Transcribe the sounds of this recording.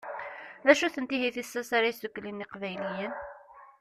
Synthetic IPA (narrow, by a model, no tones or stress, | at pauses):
ðæʃuθənt̪iɦiθisːæsaɾajsukːlinːiqvæjlijən